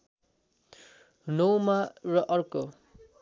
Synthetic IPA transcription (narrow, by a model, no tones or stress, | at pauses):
nowmarʌʔʌrko